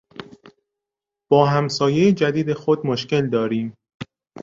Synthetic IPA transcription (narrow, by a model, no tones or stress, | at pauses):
b̥ɒːɦæmsɒːjejed͡ʒæd̪iːd̪exod̪̚moʃce̞ld̪ɒːɾiːm